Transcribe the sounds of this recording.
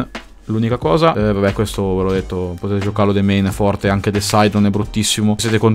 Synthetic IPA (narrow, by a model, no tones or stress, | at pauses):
lunikakɔːzavabɛkwest̪ovelɔd̪ːet̪ːopot̪eːt̪ed͡ʒokaɾlod̪emejnfɔrt̪eaŋk̟ed̪elsajd̪nonɛbɾut̪ːisːimosjeːt̪ekon